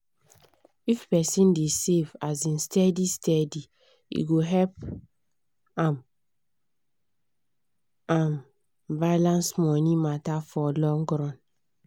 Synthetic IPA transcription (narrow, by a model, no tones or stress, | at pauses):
ifpɛsĩndesevazĩnstɛdistʰɛdi | ḭɡoɦɛp | ãm | ãm | balãnsmɔnĩmatafɔlɔ̃ŋɡɹãn